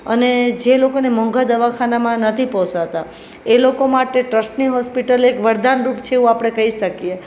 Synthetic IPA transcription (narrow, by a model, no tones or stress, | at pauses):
əned͡ʒelokonemə̃ŋɡʱad̪əʋakʰanamãnət̪ʰipɔsat̪a | elokomaʈeʈɾəsʈniɦɔspiʈəlekʋəɾd̪anɾupt͡ʃʰeːũapɽ̃ekəɦiʃəkije